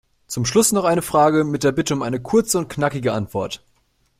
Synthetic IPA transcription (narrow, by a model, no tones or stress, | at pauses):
t͡sʊmʃlʊsnɔχʔaɪnəfʁ̥aːɡəmɪt̚d̥eːɐbɪtəʊmʔaɪnəkʰʊɐt͡səʊnt̚knakɪɡəʔantv̥ɔɐt